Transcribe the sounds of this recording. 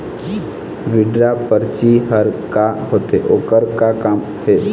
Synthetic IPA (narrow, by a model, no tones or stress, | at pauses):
ʋɪɖɾapəɾt͡ʃiɦəɾkaɦoːt̪ḛʔoːkəɾkakaːm | heː